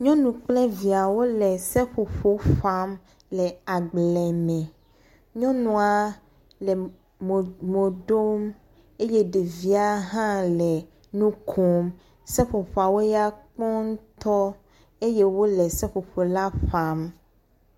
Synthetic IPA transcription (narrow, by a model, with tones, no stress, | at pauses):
ɲɔ̃˦nũ˨k͡plɛ˦vi˨a˨wo˦lɛ˨sɛ˦ɸo˨ɸo˦ɸa˦m | lɛ˨a˨ɡ͡blɛ˨mɛ̃˨ | ɲɔ̃˦nũ˨a˨ | lɛ˨ | m˨mo˨ɖo˦m | e˦jɛ˦ɖe˨vi˦a˦ɦã˦lɛ˨ | nũ˦kʰo˦m | sɛ˦ɸo˨ɸo˨a˨wo˦ja˦k͡pɔ˦ŋ˦t̪ɔ˦ | e˦je˦wo˦lɛ˨sɛ˦ɸo˨ɸo˨la˦ɸa˦m